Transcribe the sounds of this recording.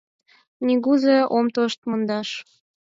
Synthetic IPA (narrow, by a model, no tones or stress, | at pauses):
niɣuzeʔomt̪oʃt̪mond̪ɑʃ